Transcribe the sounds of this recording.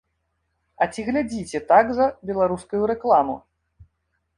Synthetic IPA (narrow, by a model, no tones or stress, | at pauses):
ɐt͡sʲiɣlʲad͡zʲit͡sʲɛt̪aɡzɐbʲɛlˠaɾuskujuɾɛklˠamṵ